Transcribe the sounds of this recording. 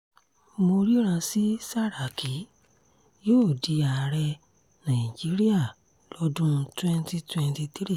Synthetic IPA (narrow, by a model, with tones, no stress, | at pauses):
mo˧ɾi˦ɾ̃ã˧si˦sa˦ɾa˨kʰi˨˦ | joː˦˨di˧a˨ɾɛ˧ | nã˨d͡ʒi˨˦ɾi˦a˦˨ | lɔ˦dũ˦˧twɛ˦nti˧twɛ̃˧nti˧t̪i˦ɾi˦˨